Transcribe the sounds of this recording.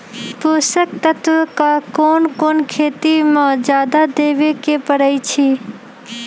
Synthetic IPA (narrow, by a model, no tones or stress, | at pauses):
pusək̚t̪ət̪ʋəkakoːnkoːnkʰeːt̪imãd͡ʒjaːd̪ad̪eːʋekepəɾəit͡ʃʰiː